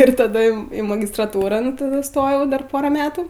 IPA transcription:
ɪr tɐˈdɐ ɪm ˈiː mɐɡʲɪstrɐˈtuːrɐn tɐˈdʊ ɪˈstoːjɛʊ ˈdɐr ˈpoːrɐ ˈmʲæːtʊ

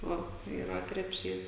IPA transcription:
ˈʋɐ iːˈrɐ krʲɛpʲˈʃʲiːs

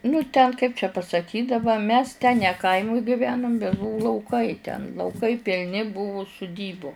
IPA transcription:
nʊ tʲɛn kɐɪp t͡ʃʲɛ pɐsɐˈkʲiːtʲ dɐˈbɐ mʲɛs tʲɛn nʲɛ ˈkɐɪmʊj ɡʲɪˈʋʲæːnʊm bʲɛt ˈbʊʋʊ lˠɐʊˈkɐɪ tʲɛn lˠɐʊˈkɐɪ pʲɪlʲˈnʲɪ ˈbʊʋʊ sʊˈdʲiːbʊ

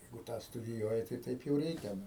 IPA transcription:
ˈjɛɪɡʊ ˈtɑː stʊdʲɪˈjuɔjɪ tɐɪ ˈtɐɪp jɛʊ ˈrʲɛɪkʲɛ ˈnʊ

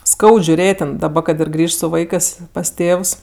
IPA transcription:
ˈskɐʊt ʒʲʊˈrʲeːtʲ tʲɛn kɐt ɪr ˈɡrʲiːʃt sʊ ˈʋɐɪkɜs pɐs ˈtʲeːws

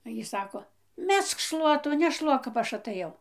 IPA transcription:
oː ˈjiː ˈsɑːkoː ˈmʲɛsk ˈʃlˠuɔtuː nʲɛˈʃlˠuɔk kɐp ˈɐʃ ɐtɘˈjɛʊ

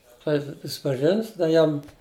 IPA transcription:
ˈklˠɐɪpʲɪt ˈjɪs pʲrʲɪsʲɪpɐˈʒʲɪns ˈdɐ ˈjɛm

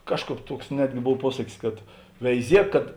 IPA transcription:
ˈkɑːʃˌkɑːp ˈtuɔks ˈnʲæːdʲɡʲɪ ˈboːw ˈpuɔsɐkʲɪs kɐt ʋʲɛɪˈzʲiɛk kɐt

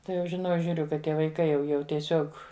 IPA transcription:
ˈtɐɪ jɛʊ ʒʲɪˈnɐʊ ʒʲuːˈrʲʊ kɐt ˈtʲiɛ ʋɐɪˈkɐɪ jɛʊ ˈjɛʊ tʲiɛˈsʲoːk

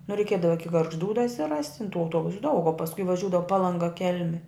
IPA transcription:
nʊ rʲɛɪˈkʲiɛdɐʋɐ ˈɪkʲɪ ɡɐrɡʒˈduː dɐsʲɪˈrɐsʲtʲ tʲɪn tuː ɐʊˈtuɔbʊsʊ dɐʊk oː pɐsˈkʊɪ ʋɐˈʒʲuːdɐʋoː pɐlˠɐŋˈɡɐ ˈkʲɛlʲmʲɪ

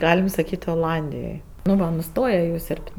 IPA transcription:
ˈɡɑːlʲɪm sɐˈkʲiːtʲ oːˈlˠɐnʲdʲɪjoːj nʊ ˈʋɐ nʊˈstoːjɛ jɛʊ ˈsʲoːrʲpʲtʲ

